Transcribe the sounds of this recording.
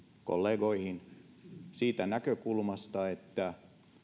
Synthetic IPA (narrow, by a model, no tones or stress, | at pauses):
ko̰lːeːɡoihin | siːt̪ænækøkulmɑst̪ɑet̪ːæ